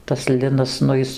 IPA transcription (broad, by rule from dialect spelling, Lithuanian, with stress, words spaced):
tɐs ˈlʲɪnɐs nʊ ˈjɪs